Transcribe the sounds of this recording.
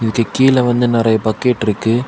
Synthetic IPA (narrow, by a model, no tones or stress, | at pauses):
ɪðɯkːɯkiːlɐʋɐnd̪ɯnɪɾɐjɐpɐkːeːʈːɪɾɯkːɯ